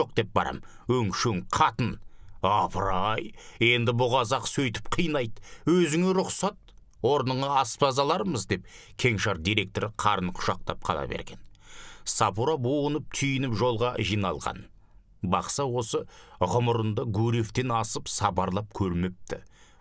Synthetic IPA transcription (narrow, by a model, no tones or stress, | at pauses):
o̞q̚d̪e̞p̚bɑ̰ɾɑ̰m | ɵŋkʃeŋqʰɑt̪ənɑpʰɾɑje̞nd̪ɪbʊʁɑzɑqsɵjt̪ɪ̥p̚qʰijnɑjd̪wɵzɪŋeɾʊqsɑt̪̚ | woɾnəɴɑɑspɑzɑlˠɑɾəməzd̪e̞p̚kʲʰe̞ŋʃɑɾd̪ijɾe̞k̚t̪o̞ɾəqʰɑɾənqʰʊ̥ʃɑq̚t̪ɑ̰p̚qʰɑ̰lˠɑ̰bḛɾɡʲe̞nsɑpuɾaboənəp̚t̪ʰʏjɪnɪpʒo̞lˠʁɑʒijnɑlˠʁɑ̰n | bɑqsɑwo̞səʁʊmʊɾənd̪ɑɡuɾeft̪e̞nɑsəpsɑpɑɾlˠɑp̚kʲʰɵɾmɪp̚t̪ɪ